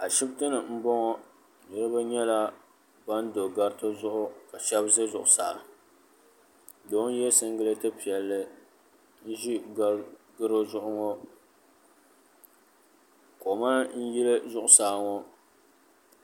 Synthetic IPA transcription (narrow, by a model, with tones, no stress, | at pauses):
a˨ʃi˦btɨ˦nɨ˨m̩˦bɔ˦ŋɔ˦˨ | nɛ˦ɾɨ˦ba˦ɲɛ˦la˦ | ba˦n̩˦do˨ɡa˦ɾtɨ˦zʊ˦ʔʊ˦ka˨ʃɛ˦bzɨ˦zʊ˨ʔʊ˨sa̰ː˨ | do˨˦n˦jɛ˦sɨ˦ŋ˦ɡɨ˦lɨ˦tɨ˦pi˨ɛ˨lːɨ˦ | n̩˦ʒi˦ | ɡɨ˦ɾo˦zʊ˦ʔʊ˦ŋɔ˦ | ko˨ma˦n̩˦ji˦lɨ˦zʊ˦˨ʔʊ˨saː˨ŋɔ˦